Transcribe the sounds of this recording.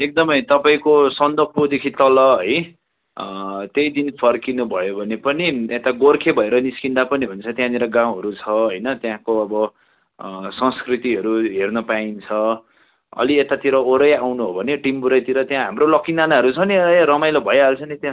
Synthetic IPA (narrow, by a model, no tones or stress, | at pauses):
ek̚d̪ʌmʌjt̪ʌpaĩkosʌnd̪ʌpʰod̪ekʰit̪ʌlʌɦʌj | t̪ejd̪inpʰʌrkinubʱʌjobʱʌnepʌniet̪aɡorkʰebʱʌeɾʌniskind̪apʌniɦunt͡sʰʌt̪jãd̪iɾʌɡãw̃ɦʌɾut͡sʰʌɦʌjnʌt̪jãkoʌbʌ | sʌ̃skrit̪iɦʌɾuɦernʌpaint͡sʰʌ | ʌ̰liet̪at̪iɾʌoɾʌjawnuɦobʱʌneʈimbuɾʌjt̪iɾʌt̪jãɦamrolʌkinanaɦʌɾut͡sʰʌnirʌmajlobʱʌjɦalt͡sʰʌnit̪jã